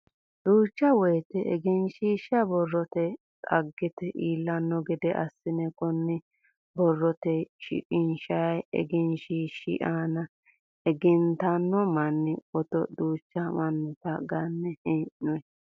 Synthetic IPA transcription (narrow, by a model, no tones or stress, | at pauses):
d̪̥uːt͡ʃːɐwɔjt̪ɛʔɛ̰ɡɪnʃiːʃɐbɔrːɔt̪ɛ | t̪ʼɐ̰ɡːɪt̪ɛʔiːlːɐnːɔɡɛd̪ɛʔɐsːɪnɛkɔnːɪ | bɔrːɔt̪ɛʃɪ̰ʔʼɪnʃɐjɛ̰ɡɪnʃiʃḭʔanɐ | ɛɡɪnt̪ɐnːɔmɐnːɪɔt̪ɔ̰d̪uːt͡ʃːɐmɐnːʊt̪ɐɡɐnːɛhɛʔɔɛ